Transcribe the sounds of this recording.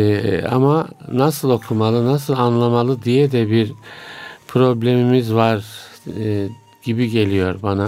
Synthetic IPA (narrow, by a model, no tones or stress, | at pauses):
a̰manasɯlˠo̞kʰumalˠɯnas̬ɯlˠanlˠamalˠɯd̪ijɛd̪ɛbiɾ | pʰɾo̞blʲe̞mimizvaɾ | ɟ̥ibiɟe̞lʲijo̞ɾbana